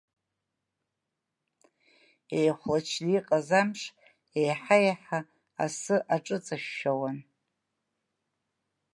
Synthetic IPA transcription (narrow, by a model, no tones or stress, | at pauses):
ejχʷlat͡ʃʰliːqʼazamʂʰ | ejħajaħa | a̰sɨʔaʈ͡ʂʼɨt͡sʼaʃːawan